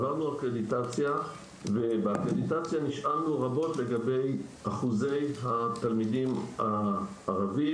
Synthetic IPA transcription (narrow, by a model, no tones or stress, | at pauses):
vaʁnuakʁeditat͡sja | vebeakʁed̪itat͡sjaniʃʔalnuʁabo̞tle̞ɡabe̞jaχuze̞jɦat̪almidimaː | ʁavi